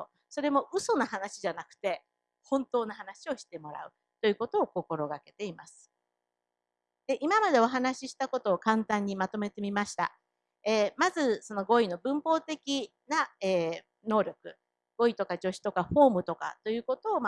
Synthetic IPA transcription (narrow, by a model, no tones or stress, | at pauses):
so̞ɾe̞mo̞ʔɯ̟so̞naɦanaɕiʑanakɯ̟̥t̪e̞ | hõ̞nt̪o̞ːnaɦanaɕio̞ɕi̥t̪e̞mo̞ɾa̰ɯ̟ | t̪o̞jɯ̟ːko̞t̪o̞ːko̞ko̞ɾo̞ɡake̞t̪e̞imasɨ̥ | d̪̥e̞ʔimamad̪e̞o̞ɦanaɕiɕi̥t̪ako̞t̪oːkãnt̪ãɲ̟ːimat̪o̞me̞t̪e̞mʲimaɕi̥t̪a̰ | eːmazɨso̞no̞ɡo̞ino̞bɯ̟̃mpo̞ːt̪e̞kʲinaeː | no̞ːɾʲo̞kɯ̟ | ɡ̥o̞it̪o̞kaʑo̞ɕi̥t̪o̞kaɸo̞ːmɯ̟t̪o̞ka̰t̪o̞jɯ̟ːko̞t̪o̞ːm